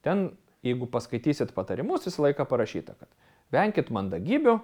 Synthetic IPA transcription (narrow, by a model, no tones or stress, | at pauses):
t̪ʲɛn | jɛɪɡʊpɐskɐɪt̪ʲiːsʲɪt̪pɐt̪ɐɾʲɪmʊsʋʲɪsɐlˠɐɪkɑpɐɾɐʃʲiːt̪ɐkɐt̪ | ʋʲɛŋʲkʲɪt̪mɐnd̪ɐɡʲiːbʲʊ